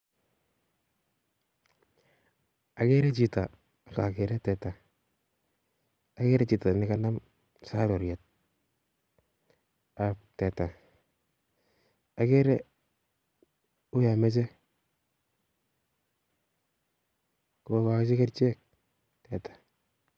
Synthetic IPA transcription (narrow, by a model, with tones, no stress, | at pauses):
a˨kɛ˦ɾɛ˦t͡ʃi˨ta˨ | ka˨kɛ˨ɾɛ˦tɛ˨ta˨ | a˨kɛ˦ɾɛ˦t͡ʃi˨ta˨nɪka˦na˦m | sa˦lɔ˨ɾjɛ˨t̚ | a˨tɛ˨ta˨ | a˨kɛ˦ɾɛ˦ | ʊ˦ja˨mɛ˦t͡ʃ̬ɛ˦ | ko˨ka˨kt͡ʃɪ˦ka˦ɾt͡ʃɛ˦k̚ | tɛ˨tḁ˨